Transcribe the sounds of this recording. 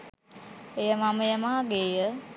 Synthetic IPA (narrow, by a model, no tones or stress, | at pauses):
ejəmaməjəmaːɡeːjə